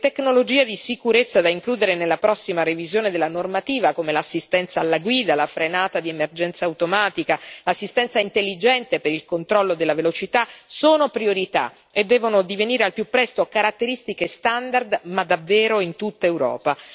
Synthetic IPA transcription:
t̪eknolod͡ʒiːed̪isikuɾet̪sːad̪aiŋkluːd̪eɾenelːapɾɔsːimarevizjoːned̪elːanormat̪iːvakomelasːist̪ɛnt̪saːlːaɡwiːd̪alafɾenaːt̪ad̪iemerd͡ʒɛnt̪saːwt̪omaːt̪ikalasːist̪ɛnsaint̪elːid͡ʒɛnt̪epeɾilkont̪ɾɔlːod̪elːavelot͡ʃit̪asoːnopɾioɾit̪a̰ | ed̪ːɛːvonod̪iveniːɾealpjupːɾɛst̪okaɾat̪ːeɾist̪ikest̪and̪ard̪mad̪avːɛːɾoint̪ut̪ːaewɾɔ̰ːpa

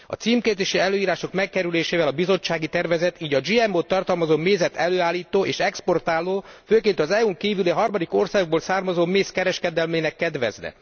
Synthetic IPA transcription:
ɒ̰t̪siːmkeːzeːʃiɛløːiːɾaːʃo̞kmɛkːɛɾyleːʃeːvɛlɒbizo̞t͡ʃːaːɡit̪ɛrvɛzɛt̪iːɟɒd͡ʒiːɛmoːt̪ːɒrt̪ɒlmɒzoːmeːzɛt̪ʰɛløːaːlːiːt̪oːʔeːʃɛkspo̞rt̪aːlːoːføːkeːnt̪ɒzɛuŋkiːvyliɦɒrmɒd̪iko̞rsaːɡoɡ̚boːlsaːrmɒzoːmeːskɛɾɛʃkɛd̪ɛlmeːnɛkːɛd̪ʋɛ̰znɛ̰

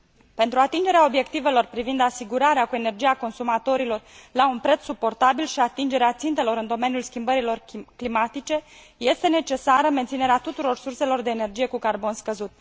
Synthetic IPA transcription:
pe̞nt̪ɾuat̪ind͡ʒe̞ɾeao̞bje̞kt̪ive̞lo̞rpɾivind̪asiɡuɾaɾeakue̞ne̞rd͡ʒijako̞nsumat̪o̞ɾilo̞rlaunpɾet̪ssupo̞rt̪abilʃiat̪ind͡ʒe̞ɾeat̪sint̪e̞lo̞ɾɨnd̪o̞me̞nijulskʲimbəɾilo̞rklimat̪it͡ʃe̞ | je̞st̪e̞ne̞t͡ʃe̞saɾəme̞nt̪sine̞ɾeat̪ut̪uɾo̞rsurse̞lo̞rd̪e̞ːne̞rd͡ʒije̞kukarbo̞nskəzut̪

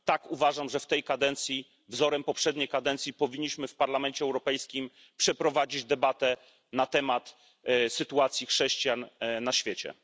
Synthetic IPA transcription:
t̪akuvaʐamʐɛft̪ɛjkad̪ɛnt̪sʲji | vzɔɾɛmpɔpʂɛd̪ɲejkad̪ɛnt̪sʲjipɔvʲiɲːiɕmɘfpaɾlamɛɲt͡ɕɛːwɾɔpɛjskʲim | pʂɛpɾɔvad͡ʑid͡ʑd̪ɛbat̪ɛ | nat̪ɛmat̪ | sɘt̪uat̪sʲjixʂɛɕt͡ɕijanːaɕfʲjɛt͡ɕɛ̰

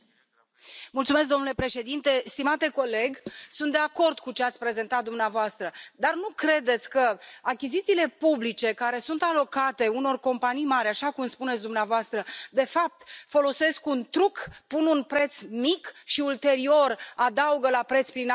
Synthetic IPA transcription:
mult̪sumes̬kd̪o̞mnule̞pɾe̞ʃe̞d̪int̪e̞st̪imat̪e̞ko̞le̞ɡsunt̪d̪eako̞rd̪kut͡ʃeat̪sʲpɾe̞ze̞nt̪at̪̚d̪umneavoast̪ɾəd̪arnukɾe̞d̪e̞t̪sʲkəakʲizit̪siːle̞publit͡ʃe̞kaɾe̞sunt̪alo̞kat̪e̞uno̞rko̞mpanijmaɾʲaʃakumspune̞t̪s̬ʲd̪umneavoast̪ɾəd̪e̞fap̚t̪fo̞lo̞se̞skunt̪ɾukpununpɾe̞t̪smikʃiult̪e̞ɾio̞rad̪auɡəlapɾet̪spɾin

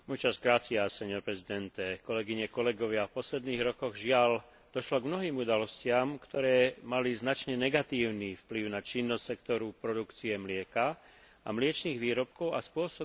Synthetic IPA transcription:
mɔjt͡ʃazkɾat͡siasɛɲɔɾpɾɛzid̪ɛnt̪ɛkɔlɛɡiɲɛkɔlɛɡɔʋɪafpɔslɛd̪niːɣɾɔkɔɣʒɪal | d̪̥ɔʃlɔɡmnɔɦiːmud̪alɔscɪamkt̪ɔɾɛːmaliznat͡ʃɲɛnɛɡat̪iːʊniːfpliʊnat͡ʃinːɔssɛkt̪ɔɾupɾɔd̪ukt͡siɛmlɪɛka | a̰mlɪɛt͡ʃniːɣʋiːɾɔp̚kɔʊaspʊɔsɔ

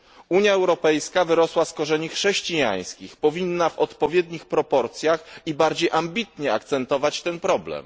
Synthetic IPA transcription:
uɲjaɛwɾɔpɛjskavɘɾɔswaskɔʐɛɲixʂɛɕt͡ɕija̰j̃skʲixpɔvʲinːavɔt̪pɔvʲjɛd̪ɲixpɾɔpɔɾt̪sʲjaxibaɾd͡ʑejʔambʲit̪ɲɛa̰kt̪sɛnt̪ɔvat͡ɕt̪ɛnpɾɔblɛ̰m

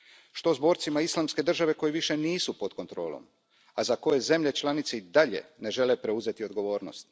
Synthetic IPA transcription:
ʃt̪o̞zbo̞ːɾt̪simaislˠamske̞d̪r̩ʒaʋe̞ko̞jeʋiʃe̞niːsupo̞d̪ko̞nt̪ɾo̞ːlo̞̰m | azako̞je̞ze̞mʎe̞t͡ʃlˠanit̪seid̪aʎe̞̰ne̞ʒe̞le̞pɾe̞uze̞t̪io̞d̪ɡo̞ʋo̞ːɾno̰st̪̚

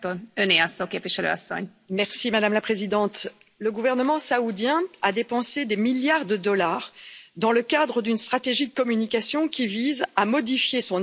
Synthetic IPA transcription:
oøneasːokeːpviʃɛlø̰ɔ̰sːɔ̰ɲ | mɛʁsimad̪amlapχezid̪ɑ̃t̪ | ləɡuvɛʁnəmɑ̃saud̪jɛ̃ad̪epɑ̃sed̪emiljaʁd̪əd̪ɔlaːʁd̪ɑ̃ləkad̪ʁəd̪ynst̪χat̪eʒid̪əkɔmynikasjɔ̃kʲivizamɔd̪ifjesɔ̃

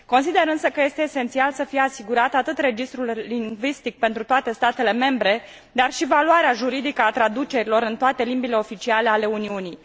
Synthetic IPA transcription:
ko̞nsid̪e̞ɾɨnsəkəje̞st̪e̞ːse̞nt̪sialsəfijeasiɡuɾat̪at̪ɨt̪re̞d͡ʒist̪ɾulːiŋɡvist̪ik̚pe̞nt̪ɾut̪oat̪e̞st̪at̪e̞le̞me̞mbɾe̞ | d̪arʃivaluaɾeaʒuɾid̪ikəat̪ɾad̪ut͡ʃe̞ɾilo̞ɾɨnt̪oat̪e̞limbile̞o̞fit͡ʃiale̞ale̞uniuni

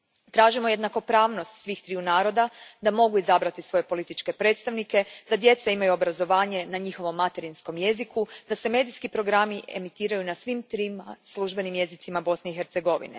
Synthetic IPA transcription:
t̪ɾaːʒimo̞je̞d̪nako̞pɾaːʋno̞st̪sʋiːxt̪ɾiːunaːɾo̞d̪ad̪amo̞ɡuizabɾat̪isʋo̞je̞po̞lit̪it͡ʃke̞pɾe̞ːt̪st̪aʋnike̞d̪̥ad̪je̞t̪saimajuo̞bɾazo̞ʋaːɲe̞naɲixo̞ʋo̞mːat̪e̞ɾinsko̞mje̞zikud̪aseme̞ːd̪iskipɾo̞ɡɾamiʔe̞̰mit̪iːɾajunasʋimt̪ɾimaslˠuʒbe̞nimje̞zit̪imabo̞sneixeɾt̪seɡo̞ʋḭnḛ

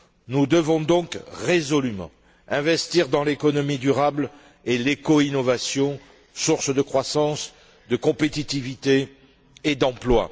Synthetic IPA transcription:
nud̪əvɔ̃d̪ɔ̃kʁezɔlymɑ̰̃ | ɛ̃vɛst̪iʁd̪ɑ̃lekɔnɔmid̪yʁabl | elekɔinɔvasjɔ̃ | suʁsd̪əkχwasɑ̃s | d̪əkɔ̃pet̪it̪ivit̪eː | d̪ɑ̃plwa̰

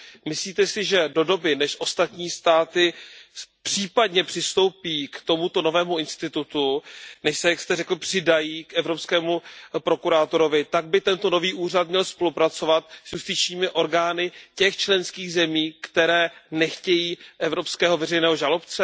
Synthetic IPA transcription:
mɪsliːt̪ɛsɪʒɛdo̞do̞bɪnɛʃʔo̞st̪at̪ɲiːst̪aːt̪ɪ | pr̥iːpadɲɛpr̥ɪst̪o̞wpiːkt̪o̞mut̪o̞no̞vɛːmuɪnst̪ɪt̪ut̪unɛʃsɛjakst̪ɛrɛkl̩pr̥ɪdajiːkʔɛvɾopskɛːmupɾo̞kuɾaːt̪oɾo̞vɪt̪aɡ̚bɪt̪ɛnt̪o̞no̞viːʔuːrat̪̚mɲɛlspo̞lupɾat͡so̞vat̪̚zjust̪ɪt͡ʃɲiːmɪʔo̞ɾɡaːnɪcɛxt͡ʃlɛnskiːɣzɛmiːkt̪ɛɾɛːnɛxcɛjiːʔɛvɾo̞pskɛːɦovɛrɛjnɛːɦoʒalo̞pt͡sɛ

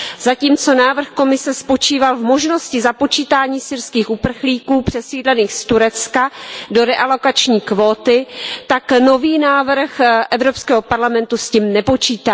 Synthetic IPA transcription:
z̥aciːmt͡so̞naːvr̩xkomɪsɛspo̞t͡ʃiːvalvmo̞ʒno̞scɪzapo̞t͡ʃiːt̪aːɲiːsɪrskiːxʔupr̩xliːkuːpr̝̥ɛsiːdlɛniːxst̪uɾɛt͡skado̞ɾɛʔalo̞kat͡ʃɲiːkvoːt̪ɪt̪akno̞viːnaːvr̩xʔɛvɾopskɛːɦo̞paɾlamɛnt̪usciːmnɛpo̞t͡ʃiːt̪aː

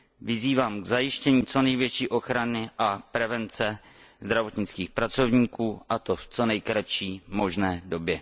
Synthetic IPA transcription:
vɪziːvaːmɡzajɪʃcɛɲiːt͡so̞nɛjvjɛt͡ʃiːʔo̞xɾanɪʔapɾɛvɛnt͡sɛ | zd̪ɾavo̞t̪ɲɪt͡skiːxpɾat͡so̞vɲiːkuːʔat̪o̞ft͡so̞nɛjkɾat͡ʃiːmo̞ʒnɛːdo̞bjɛ

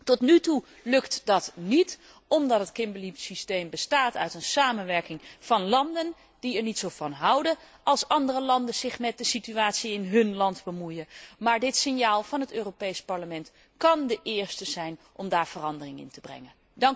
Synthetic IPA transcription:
tɔtnytu | lɵktdɑtnit | ɔmdɑtɦətkɪmbəlipsistejmbəstaːtœ̰ɥtənsaːmənʋɛɹkɪŋv̥ɑnlɑndən | d̥iɛɹnitsowvɑnɦɑwdə | ʔɑlˠsɑndərəlɑndənz̥ɪχmɛt̚dəsityaːtsiɪnɦɵnlɑndbəmujəmaːɹdɪtsɪnjaːlˠvɑnɦətøːropejspɑɹləmɛnt | kɑndəʔɪːɹstəzɛjnʔɔmdaːɹv̥ərɑndərɪŋɪ̰ntəbrɛ̰ŋən | dɑŋ

